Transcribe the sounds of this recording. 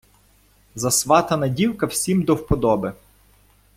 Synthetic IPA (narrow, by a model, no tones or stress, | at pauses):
zɐsʋɑt̪ɐnɐdʲiwkɐwsʲimd̪ɔwpɔd̪ɔbɪ